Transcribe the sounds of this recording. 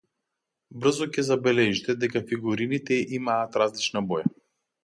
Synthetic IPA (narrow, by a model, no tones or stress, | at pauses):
br̩zɔcɛzabɛlɛʒit̪ɛd̪ɛkafiɡuɾinit̪ɛʔimaːt̪ɾazlit͡ʃnabɔja